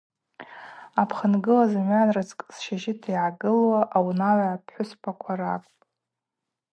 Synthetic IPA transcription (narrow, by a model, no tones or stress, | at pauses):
apʰχənɡɨlazamɥanrɨt͡sʰʼkʼsʃaʒɪtʰiʕaɡɨlwaʔawnaʕʷapʰħʷʊspʰakʷʰaɾakʷʼpʼ